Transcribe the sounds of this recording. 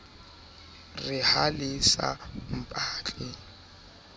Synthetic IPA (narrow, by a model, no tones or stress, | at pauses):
rɪhalɪsa̰m̩pʼaːt͡ɬʼɪ